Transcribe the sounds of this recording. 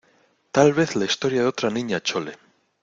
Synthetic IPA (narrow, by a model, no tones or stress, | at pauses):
t̪alβ̞eθlaist̪o̞ɾjaðeo̞t̪ɾanĩɲat͡ʃo̞le